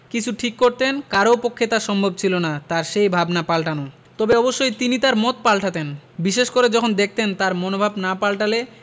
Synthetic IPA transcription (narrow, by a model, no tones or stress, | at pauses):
kit͡ɕʰuʈʰikːoɾt̪enkaɾopokʰːet̪aɾʃɔmbʱob̚t͡ɕʰilonat̪aɾʃejbʱabnapalʈano | t̪ɔbeɔboʃːojt̪init̪aɾmɔt̪palʈʰat̪enbiʃeʃkoɾed͡ʑɔkʰond̪ek̚ʰt̪ent̪aɾmonobʱabnapalʈale